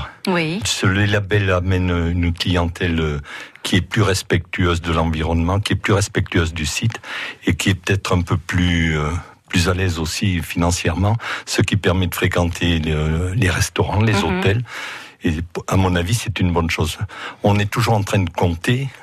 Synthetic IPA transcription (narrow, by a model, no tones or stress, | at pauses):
isələlabɛlamɛnøynklijɑ̃t̪ʰɛløkʰʲiɛplyʁɛspɛk̚t̪ʰyøzd̪əlɑ̃viʁɔnmɑ̃kʲiɛplyʁɛspɛk̚t̪yøzd̪ysit̪ekʲiɛpə̥t̪ɛt̪χɛ̃pøplyø | plyzalɛzosifinɑ̃sjɛʁmɑ̃səkʲipɛʁmɛd̪əfχekɑ̃t̪ʰeleʁɛst̪ɔʁɑ̃lezot̪ɛleamɔ̃navisɛt̪ynbɔnʃozɔ̃nɛt̪uʒuʁɑ̃t̪χɛ̃d̪əkɔ̃t̪e